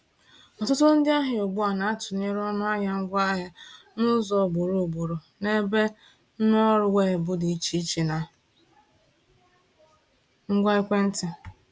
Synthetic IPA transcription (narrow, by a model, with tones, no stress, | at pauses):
ɔ˨tʊ˦tʊ˦n̩˦dɪ˦a˦ɦɪ˨o˨ɡ͡bʊ˦a˨na˨a˦tʊ˨ne˦ɾɔ˦nʊ˦a˦ɲa˦ŋ̩˦ɡʷa˦a˦ | nʊ˦zɔ˨ɡ͡bu˨ɾu˨ɡ͡bu˨ɾo˨ | ne˦be˦ | n̩˦nɔ˦ɾʊ˨we˦˨bʊ˦dɪ˨i˦t͡ʃi˦t͡ʃi˨na˨ | ŋ̩˦ɡʷa˦ɪ˦kʷe˦n̩˦tɪ˨